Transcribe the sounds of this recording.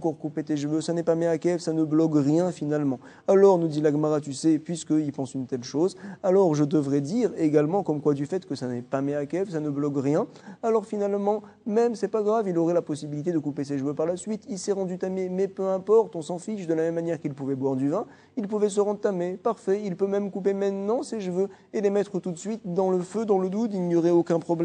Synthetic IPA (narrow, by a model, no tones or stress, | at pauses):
ɑ̃kɔʁkupet̪eʃəvøsanɛpamɛakɛvsanəblɔkʁjɛ̃finalmɑ̃ | alɔʁnud̪ilaɡmaʁat̪ysɛpɥiskəilpɑ̃synt̪ɛlʃozalɔʁʒəd̪əvʁɛd̪iʁeɡalmɑ̃kɔmkwad̪yfɛt̪kəsanɛpamɛakɛvsanəblɔkʁjɛ̃ | alɔʁfinalmɑ̃ | mɛmsɛpaɡʁavilɔʁɛlapɔsibilit̪ed̪əkupeseʃəvøpaʁlasɥit̪ilsɛʁɑ̃d̪yt̪amemɛpøɛ̃pɔʁt̪ɔ̃sɑ̃fiʃd̪əlamɛmːanjɛʁkilpuvɛbwaʁd̪yvɛ̃ | ilpuvɛs̬əʁɑ̃d̪ʁət̪amepaʁfɛilpømɛmkup̬emɛ̃t̪nɑ̃seʃəvø | elemɛt̪χət̪ut̪sɥit̪d̪ɑ̃ləfød̪ɑ̃ləd̪ud̪ilnjɔʁɛokʲɛ̃pχɔblɛ